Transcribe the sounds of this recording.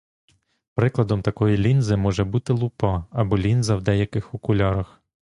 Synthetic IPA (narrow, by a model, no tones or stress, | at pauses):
pɾɪklˠɐd̪ɔmt̪ɐkɔjilʲinzɪmɔʒɛbut̪ɪlˠupɑɐbɔlʲinzɐwd̪ɛjɐkɪxʊkʊlʲaɾɐx